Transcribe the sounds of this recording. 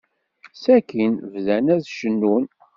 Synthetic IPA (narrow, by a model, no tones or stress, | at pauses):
sækinvðænæðʃənːun